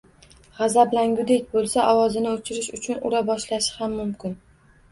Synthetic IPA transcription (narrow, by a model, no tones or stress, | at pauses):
ʁɑzablaŋɡʲʊd̪ekʲbolˠsaʔɒwɒzɪnɪot͡ʃʰɪɾɪʃʊt͡ʃʰʊnʊ̰ɾabɒʃlaʃɪ̥hamːʊmkʲɪn